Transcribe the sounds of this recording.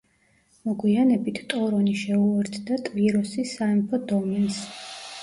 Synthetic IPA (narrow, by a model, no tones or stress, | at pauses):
mɔɡwianɛbit̪ʰt̪ʼɔɾɔniʃɛuɛɾt̪ʰd̪at̪ʼviɾɔsisaɛmpʰɔd̪ɔmɛns